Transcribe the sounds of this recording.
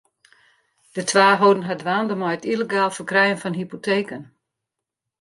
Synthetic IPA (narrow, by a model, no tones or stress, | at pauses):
d̥ətʰʋaːɦodən̩ɦadʋaːndəmɔjətiləɡaːlˠfərkrɛjənfɔnɦipotʰeːkən